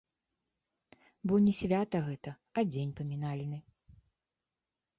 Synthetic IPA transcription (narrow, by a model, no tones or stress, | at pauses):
bɔnʲɛsʲvʲat̪ɐɣɛt̪ɐ | ɐd͡zʲenʲpɐmʲinalʲnɨ